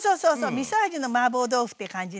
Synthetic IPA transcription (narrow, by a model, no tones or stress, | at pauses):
soːsoːsomʲisad͡ʒinomaboːd̪oɸɯ̥t̪ːekãɲd͡ʒi